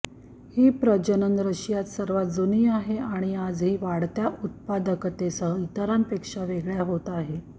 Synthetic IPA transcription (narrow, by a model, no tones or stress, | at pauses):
hiːpɾəd͡ʑənənɾəɕjat̪səɾʋat̪̚d͡zuniːaɦeaɽ̃iad͡zɦiːʋaɽt̪jaʔut̪̚pad̪əkt̪esəit̪əɾampekʂaʋeɡɭjaɦot̪aɦe